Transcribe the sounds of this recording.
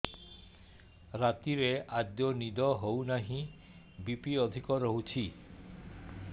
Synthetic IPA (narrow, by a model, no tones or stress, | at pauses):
ɾat̪iɾeʔad̪jɔnid̪ɔɦownaɦĩ | bipiɔd̪ʱikɔɾoɦut͡ʃʰi